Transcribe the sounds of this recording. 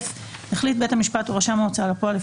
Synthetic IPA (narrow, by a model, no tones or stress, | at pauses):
f | heχlit̚bethamiʃpatuʁaʃamot͡saalapoale